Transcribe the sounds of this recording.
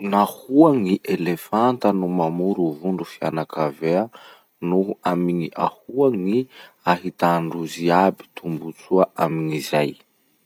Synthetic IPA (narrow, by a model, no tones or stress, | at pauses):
nahuaŋiʔelefant̪ənumamuɾuvuɳɖ͡ʐufianakavea | nuuamiɲiʔahuaŋi | aɦit̪aɳɖ͡ʐuziabi̥t̪ʰumbut͡suaʔamiŋizaj